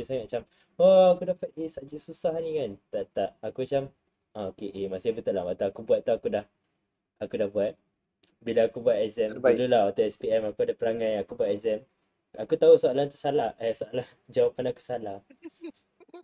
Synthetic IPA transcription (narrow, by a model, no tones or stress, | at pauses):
usaŋat̪̚mat͡ʃam | oakudahpat̪̚esaʔd͡ʒiʔsusahnĩkant̪aʔt̪aʔakuat͡ʃam | ɔokeʔemasɪbət̪ulahmat̪aakubuat̪̚ːuakudah | akudahbuat̪̚ | bilaːkubuat̪ɛzɛmlulahat̪aɛspiɛmakuadapəɾaŋãjakubuat̪̚ɛzɛm | akut̪ausoalant̪usalahɛhsoalah | d͡ʒawapanaku̥salah